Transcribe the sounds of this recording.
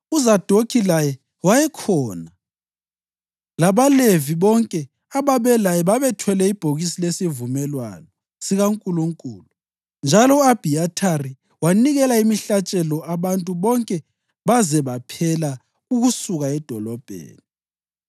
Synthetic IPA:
uzad̥ʱokʰilajɛ | wajɛkʰɔːna | laβaleviβɔŋkʼɛ | aβaβɛlajɛβaβɛtʰwɛlɛib̥ʱoɣisilesivumɛlwa̰nɔ | siɣaŋkʼuluŋkʼṵːlu | nd͡ʒʱalɔab̥ʱiatʰari | waniɣɛlaimiɬat͡ʃʼɛlɔaβantʼuβɔŋkʼɛ | βazɛβapʰɛla | uɣusuɣaɛd̥ʱɔlɔb̥ʱḛːni

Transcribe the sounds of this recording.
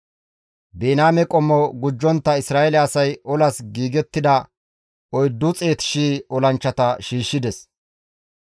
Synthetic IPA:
beːnaːmɛkʼɔmːɔɡʊd͡ʒːɔnt̪ːɐɪsɾaːɛlɛɐsɐjʔɔlɐsɡiːɡɛt̪ːɪd̪ɐ | ɔjd̪ːʊt͡sʼe̞ːt̪ɪ̥ʃiːɔlɐnt͡ʃːɐt̪ɐʃiːʃːɪd̪ɛs

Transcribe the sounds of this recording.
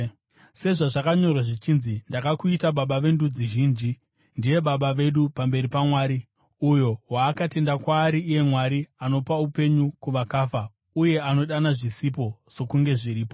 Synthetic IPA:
se̞ʐaʐakaɲo̞rwaʐit͡ʃinzindakakuitaɓaɓaʋe̞ndud͡ziʒiːnd͡ʒi | ndije̞ɓaɓaʋe̞ɗupambe̞ɾipamwaːɾi | ujo̞waːkate̞ndakwaːɾiːje̞mwaɾiano̞paupe̞ɲukuʋakaːfa | uje̞ano̞ɗanaʐisipo̞so̞kuŋɡe̞ʐiɾiːpo̞

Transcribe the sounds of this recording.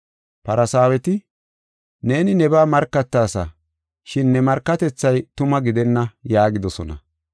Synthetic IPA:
pɐɾɐsaːwɛt̪ɪ | ne̞ːnɪnɛbaːmɐɾkːɐt̪ːaːsɐ̰ | ʃɪnːɛmɐɾkːɐt̪ɛt͡sːɐjt̪ʊmɐɡɪd̪ɛnːɐjaːɡɪd̪ɔsɔnɐ̰

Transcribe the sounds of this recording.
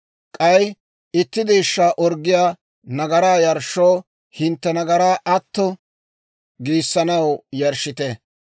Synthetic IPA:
kʼɐj | ɪt̪ːɪd̪iːʃːaːʔɔɾɡːɪjaː | nɐɡɐɾaːjɐɾʃːoː | hɪnt̪ːɛnɐɡɐɾaːʔɐt̪ːɔ | ɡiːsːɐnɐwjɐɾʃːɪt̪ɛ

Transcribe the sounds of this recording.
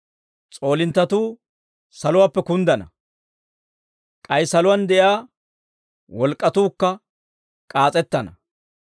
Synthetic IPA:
t͡sʼo̞ːlɪnt̪ːɐt̪uː | sɐlʊwaːpːɛkʊnd̪ɐnɐ | kʼɐjsɐlʊwɐnd̪ɛʔjaː | wɔlkʼːɐt̪uːkːɐ | kʼaːt͡sʼɛt̪ːɐnɐ

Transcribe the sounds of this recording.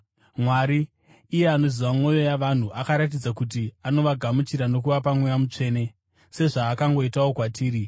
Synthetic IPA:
mwaɾiː | je̞ano̞ziʋamwo̞jo̞jaʋan̤uʔakaɾat̬id͡zakut̬iano̞ʋaɡʱamut͡ʃiɾano̞kuʋapamwejamut͡ʂe̞ːne̞ | se̞ʐaːkaŋɡo̞itawo̞kwatʰiːɾi

